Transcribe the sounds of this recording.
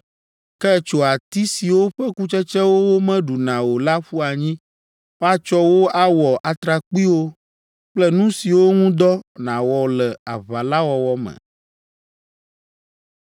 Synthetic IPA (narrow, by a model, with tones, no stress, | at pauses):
kɛ˦t͡ʃo˨a˨t̪i˦si˨wo˦ɸɛ˦ku˦t͡ʃɛ˦t͡ʃɛ˦wo˦wo˦mɛ̃˦ɖu˨nã˨wo˨la˦ɸu˦a˨ɲĩ˦ | ɸa˦t͡ʃɔ˦wo˦a˦wɔ˨ʔa˨t̪ɾa˨k͡pi˦wo˦ | k͡plɛ˦nũ˦si˨wo˦ŋũ˦d̪ɔ˦nã˨wɔ˨lɛ˨a̰˨βa˨la˦wɔ˨wɔ˦mɛ̰̃˨